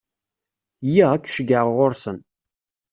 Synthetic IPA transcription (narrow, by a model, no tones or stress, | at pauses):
jækːʃəɡəʁʁoɾsən